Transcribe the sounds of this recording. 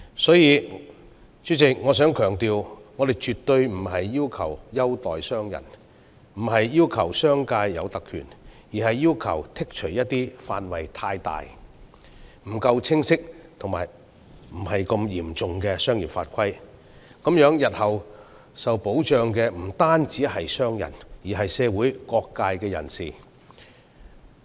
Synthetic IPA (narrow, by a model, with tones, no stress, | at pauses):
sɔː˨˥jiː˨˧ | t͡ʃyː˨˥t͡sɪ˨k̚ŋɔː˨˧s̬œː˨˥ŋkʰœː˨˩ŋt̪iː˨wŋɔː˨˧d̪e˨jt͡ʃyː˨t̪ːɵ˧ɥm̩˨˩hɐ˨jːiː˥wkʰɐ̰˨˩wjɐ˥wt̪ɔː˨jsœː˥ŋjɐ̰˨˩n | m̩˨˩ɦɐ˨jːiː˥wkʰɐ˨˩wsœː˥ŋkaː˧jːɐ̰˨˧wt̪ɐ˨kʰːy̰ː˨˩n | jiː˨hɐ˨jːiː˥wkʰɐ̰˨˩wt̪ʰɪ˥k̚t͡ʃʰɵ˨˩jɐ˥t̚t̪iː˥faː˧nwɐ˨˩jt̪ʰaː˧jt̪a̰ː˨j | m̩˨˩kɐ˧wt͡sʰɪ˥ŋsɪ˥k̚t̪ʰʊ˨ŋma̰ː˨˩j | m̩˨˩hɐ˨jkɐ˧mjiː˨˩mt͡sʊ˨ŋkɛː˧sœː˥ŋjiː˨˩nfaː˧t̚kʷʰɐ˥j | kɐ˨˥mjœː˨˥ŋjɐ˨t̚hɐ˨w | sɐ˨wpo˨˥wt͡ʃœː˨˧ŋkɛː˧m̩˨˩t̪aː˥nt͡siː˨˥ɦɐ˨jsœː˥ŋjɐ̰˨˩njiː˨˩ɦɐ˨jsɛː˧wuː˨˥jkɔː˧kːaː˧jkɛː˧jɐ̰˨˩nsiː˨